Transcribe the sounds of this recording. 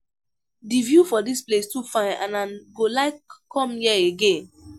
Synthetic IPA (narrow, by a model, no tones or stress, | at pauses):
divjufɔdisplestufãɪnã̰nãnɡolaɪkːɔ̃mjɛeɡẽn